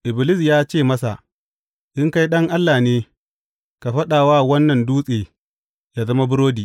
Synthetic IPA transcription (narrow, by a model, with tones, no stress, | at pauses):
ʔɪ˨bɪ˨lɪ˦s̬jaː˦t͡ʃeː˦˨mɐ˦sa̰˨ | ʔɪ˦ŋka˦jɗɐ˦ŋʔa˦lːaː˨neː˦ | ka˨ɸɐ˦ɗaː˨waː˦wɐ˦nːɐ˨nduː˦sʼeː˨ | jaː˨zɐ˦ma˦bʊ˦ɾoː˦diː˨